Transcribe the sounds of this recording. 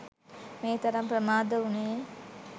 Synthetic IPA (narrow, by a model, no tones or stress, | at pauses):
meːt̪ɐɾɐmpɾəmaːd̪əune